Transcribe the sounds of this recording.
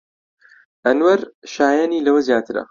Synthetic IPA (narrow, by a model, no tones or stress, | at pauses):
ʔɐnwɐɾʃaːjaniːlɐwɐzjaːt̪ʰɨɾɐ̰